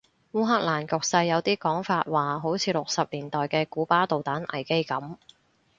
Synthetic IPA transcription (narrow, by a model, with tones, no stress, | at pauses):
wuː˥ɦaː˥k̚laː˨˩nkʊ˨k̚sɐ˧jːɐ˨˧wt̪iː˥kɔː˨˥ŋfaː˧t̚waː˨˩ɦo˨˥wt͡sʰiː˨˧lʊ˨k̚sɐ˨p̚liː˨˩nt̪ɔː˨jkɛː˧kuː˨˥paː˥t̪o˨wt̪aː˨˥nʔɐ̰˨˩jke˥jkɐ˨˥m